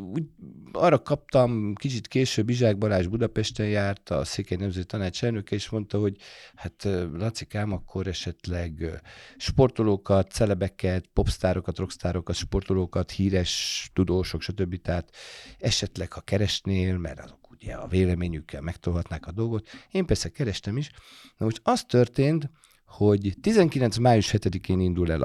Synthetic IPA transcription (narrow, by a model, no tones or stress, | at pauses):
uːɟɒrɒkɒp̚t̪ɒmkit͡ʃit̪keːʃøbːiʒaːɡ̚bɒlaːʒbud̪ɒpɛʃt̪ɛnjaːrt̪ɒ̰seːkejnɛmzɛt̪it̪ɒnaːt͡ʃɛlnøkɛeːʃmo̞nt̪ɒɦo̞ɟhat̪ːlɒt̪sikaːmɒkʰːo̞ɾɛʃɛt̪lɛɡʃpo̞rt̪oloːkɒt̪sɛlɛbɛkɛt̪po̞pst̪aːɾo̞kɒt̪ro̞kst̪aːɾokɒt̪ʃpo̞rt̪oloːkɒt̪hiːɾɛʃt̪ud̪oːʃo̞kʃɒt̪ø̞bːit̪ɛɦaːt̪ɛʃɛt̪lɛkhɒkɛɾɛʃneːlmɛ̰ɾɒ̰zo̞kuɟɛ̰ɒ̰veːlɛmeːɲykʰːɛ̰lmɛkt̪olɦɒt̪naːkɒd̪o̞lɡo̞t̪eːmpɛrsɛkɛɾɛʃt̪ɛmiʃ | nɒmoʃt̪ɒst̪ørt̪eːnt̪ | ho̞ɟt̪izɛŋkilɛnt̪smaːjuʃhɛt̪ɛd̪ikeːnind̪ulɛ̰l